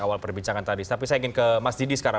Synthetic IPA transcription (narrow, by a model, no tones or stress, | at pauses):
awalpərbiɲt͡ʃaŋant̪adit̪ap̬isajaiŋɪnkəmasdidisə̥kaɾa